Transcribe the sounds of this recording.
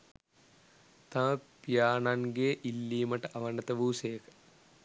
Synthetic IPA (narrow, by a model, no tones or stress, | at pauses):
t̪ãəpijaːnaŋɡeːʔilːiːməʈəʔɐʋɐnət̪əʋuːsejəkə̥